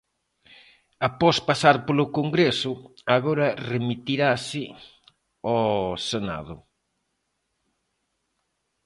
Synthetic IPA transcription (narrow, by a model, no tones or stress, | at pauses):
apɔspasaɾpolʊkoŋɡɾesʊaɣɔɾɐremit̪iɾasɪ | ɔsena̰ðʊ